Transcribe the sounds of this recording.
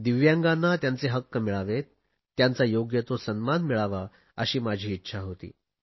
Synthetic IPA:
d̪iʋjãŋɡanːat̪jant͡seɦəkːəmiɭaʋet̪ː | jant͡sajoɡjət̪osənmanmiɭaʋa | əɕiːmad͡ʑʱiːtːɕʰaɦot̪ḭː

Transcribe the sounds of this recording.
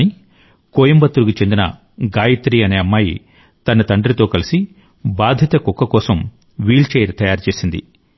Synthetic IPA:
i | koːjɐmbɐt̪ːuɾukit͡ʃe̞nd̪inɐ̰ | ɡaːjɐt̪ɾiːɐne̞ːɐmːaːji | t̪ɐnɐt̪ɐɳɖɐɾit̪o̞ːkɐlisi | baːd̪ʱjɐt̪ɐkɔkːɐkɔːsɐm | ʋiːlt͡ʃeːɾt̪ɐjaːɾt͡ʃe̞ːsind̪ḭ

